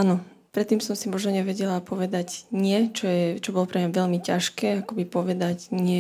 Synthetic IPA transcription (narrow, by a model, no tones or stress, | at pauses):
anɔ | pɾɛt̪ːiːmsɔmsimɔʒnɔɲɛʋɛɟɛlapɔʋɛd̪aɟɲɪɛt͡ʃɔjɛt͡ʃɔbɔlɔpɾɛmɲaʋɛʎmicaʃkɛːakɔbipɔʋɛd̪aɟɲɪɛ